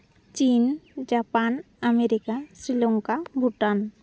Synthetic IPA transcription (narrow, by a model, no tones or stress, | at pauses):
t͡ɕind͡ʒapan | ameɾikasɾiloŋkabʱuʈan